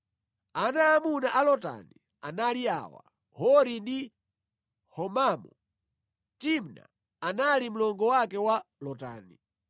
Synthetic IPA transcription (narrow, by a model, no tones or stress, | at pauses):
anaːmunaʔalɔta̰ni | a̰nalia̰wa̰ | hɔɾindi | hɔmamɔ | timna̰ː | nalim̩lɔŋɡɔwakɛwalɔta̰ːni